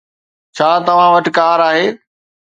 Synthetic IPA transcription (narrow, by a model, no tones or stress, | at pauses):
t͡ɕʰaːt̪ɐʋ̤ãʋɐʈɪ̆kaːɾaːɦeː